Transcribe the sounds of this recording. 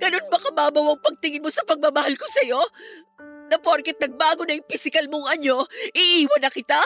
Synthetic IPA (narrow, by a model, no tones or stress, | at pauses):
ɡ̥ɐno̞nmɐkɐbaːbɐwɐŋpɐɡ̚t̪ɪŋɪnmo̞sɐpɐɡ̚mamɐhalkosɐjo̞ | nɐpoɾkɛt̪̚nɐɡ̚baːɡo̞nɐjɪŋfɪsɪkɐlmoŋɐɲo̞ʔɪʔiːwɐnɐkɪt̪a